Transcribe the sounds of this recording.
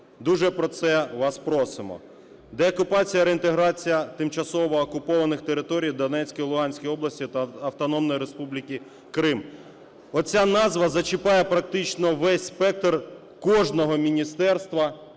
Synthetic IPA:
d̪uʒɛpɾɔt̪sɛʋɑspɾɔsɪmɔ̰ | d̪ɛɔkʊpɑt͡sʲijɐɾeint̪eɦɾɑt͡sʲijɐt̪ɪmt͡ʃɐsɔʋɔːkʊpɔʋɐnɪxt̪eɾɪt̪ɔɾʲijd̪ɐnɛt͡sʲkʲijlˠʊɦɑnʲsʲkʲijɔblˠɐsʲtʲit̪ɐɐwt̪ɔnɔmnɔjiɾespublʲikʲi | kɾɪm | ɔt͡sʲanɑzʋɐzɐt͡ʃɪpɑjɛpɾɐk̚t̪ɪt͡ʃnɔʋɛsʲspɛk̚t̪r | kɔʒnɔɦɔmʲinʲist̪ɛrst̪ʋɐ

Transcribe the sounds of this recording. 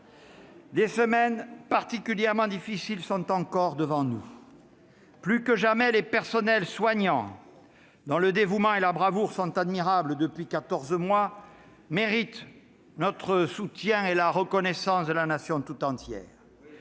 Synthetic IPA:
d̪esəmɛnpaʁt̪ikʲyljɛʁmɑ̃d̪ifisilsɔ̃t̪ɑ̃kɔʁd̪əvɑ̃nu | plykəʒamɛlepɛʁsɔnɛlswaɲɑ̃ | d̪ɑ̃ləd̪evumɑ̃elabʁavuʁsɔ̃t̪ad̪miʁabləd̪əpɥikat̪ɔʁzmwa | meʁit̪ | nɔt̪χəsut̪jɛ̃elaʁəkɔnɛsɑ̃sd̪əlanasjɔ̃t̪ut̪ɑ̃t̪jɛ̰ːʁ

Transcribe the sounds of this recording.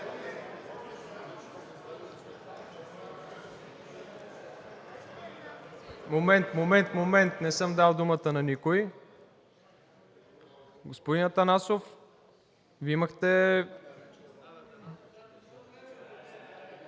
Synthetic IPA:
momɛnt̪momɛnt̪momɛnt̪nɛsɤmd̪alˠd̪umət̪ənɐnikoi | ɡospod̪inət̪ɐnasof | viiməxt̪ɛ

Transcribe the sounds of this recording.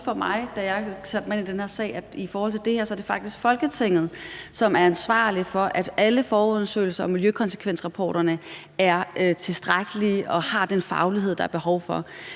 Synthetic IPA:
fɒ̽mɑ̈ɪd̥æjɑ̈ɪseb̥menid̥enhe̝ɐsɛ̰ɪæ̥ifɒːhɒ̽l̰t͡sʰe̝ld̥e̝he̝ɐ̰sɒæɐd̥e̝fɑ̈ɡ̥̚d̥isɡ̥fɒ̽lɡ̥ət͡sʰe̝ŋ̰ð̞̩ˠsɒ̽mæɐænsʋɑ̰̈ːlifɒ̽ʔæd̥ʔæləfɒːoð̰ˠɐsø̰ːɪl̩sɐɒ̽miljøkʰɒ̽nsə̥kʰʋen̰sʁɑ̈pʰɒ̰ːɾ̥ɐnə | æɐøt͡sʰe̝lsd̥ʁaɡ̥əliʔɒ̽hɑ̈d̥enfɑ̈ʊliɦeð̰̥ˠɑ̈æɐb̥e̝hɒʊfɒ̽

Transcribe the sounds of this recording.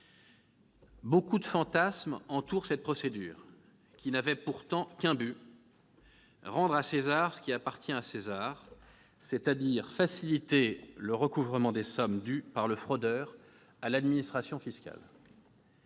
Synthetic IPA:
bokud̪əfɑ̃t̪asmɑ̃t̪uʁsɛt̪̚pχɔsed̪y̰ːʁ | kʲinavɛpuʁt̪ɑ̃kʲɛ̃by | ʁɑ̃d̪ʁasezaʁsə̥kʲiapaʁt̪jɛ̃asezaʁ | set̪ad̪iʁfasilit̪eləʁəkuvʁəmɑ̃d̪esɔmd̪ypaʁləfχɔd̪œːʁ | alad̪minist̪χasjɔ̃fiskʲa̰l

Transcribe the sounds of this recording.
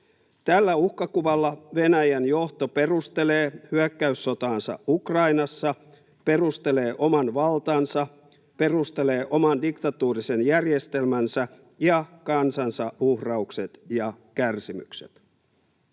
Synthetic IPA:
t̪ælːæuhkɑkuʋɑlːɑʋe̞næjænjo̞ht̪o̞pe̞rust̪e̞leːhyækːæysːo̞t̪ɑːnsɑ̰ukrɑinɑsːɑ | pe̞rust̪e̞le̞ːʔo̞mɑnʋɑlt̪ɑnsɑ | pe̞rust̪e̞le̞ːʔo̞mɑndikt̪ɑt̪uːrisenjærjest̪e̞lmænsæ | jɑkɑnsɑnsɑuhrɑukset̪jɑkærsimy̰kse̥̰t̪

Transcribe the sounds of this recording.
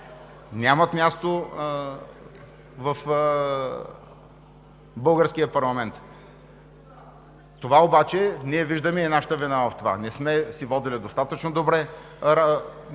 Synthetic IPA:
nʲamət̪mʲjast̪o | vɐf | bɤlˠɡəɾskijəpɐɾlˠɐmɛnt̪ | t̪ːovaobat͡ʃɛniɛviʒd̪əmiɛnaʃə̥t̪əvinavɐft̪ova̰nɛsmɛsivɔd̪ilid̪ost̪at̪ət͡ʃnod̪obɾɛ

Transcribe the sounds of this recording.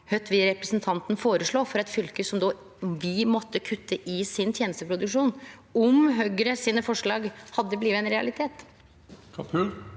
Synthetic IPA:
hœt̪ʰːʋɪɾɛpɾəsnt̪ʰɑnt̪n̩foːɾəʂɭoːfɔɾɛt̪fʏlkəsɔmd̪oː | ʋɪmɔt̪ʰːəkʰʉt̪ʰːəʔɪsɪnt̪ʰjeːnəst̪əpʰɾʊd̪ʉkʂuːn | ɔmɦøɡəɾəsiːnəfɔʂɭɑːɡhɑd̪ːəbliːʋəɛnɾɛɑ̰lɪt̪ʰeːt̪ | kʰʉl

